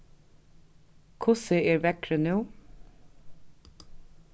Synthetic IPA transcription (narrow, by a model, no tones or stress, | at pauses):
kʰʊsəeːɾʋækɾənʉː